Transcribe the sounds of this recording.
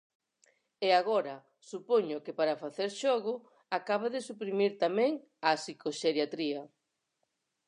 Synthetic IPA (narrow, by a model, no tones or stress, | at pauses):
eaɣɔɾɐ | supoɲʊkepaɾafaθeɾʃɔɣʊ | akaβ̞aðɪsupɾimiɾt̪amɛ̃ŋ | asikoʃeɾjat̪ɾiɐ